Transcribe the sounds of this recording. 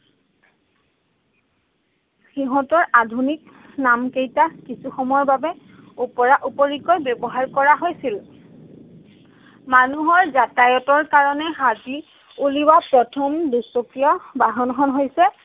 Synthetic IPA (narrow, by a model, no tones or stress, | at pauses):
xiɦɔtɔɹadʱunik | namkejtakisuxɔmɔjɔɹbabɛ | upɔɹaʔupoɹiɡojbɔbɔɦaɹkɔɹaɦojsil | manuɦɔɹzatajɔtɔɹkaɹɔnɛɦati | uliwapɹɔtʰɔmdusokijɔbaɦɔnxɔnɦojsɛ